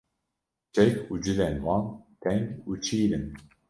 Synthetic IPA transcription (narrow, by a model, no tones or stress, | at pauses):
t͡ʃʰɛkuːd͡ʒɨlɛnwɑːnt̪ʰɛŋɡuːt͡ʃʰiːɾɨn